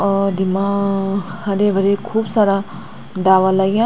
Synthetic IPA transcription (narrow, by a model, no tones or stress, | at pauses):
d̪imã | hɐdebʱɐɾekʰuːbsaːɾa | ɖaːʋalaɡjã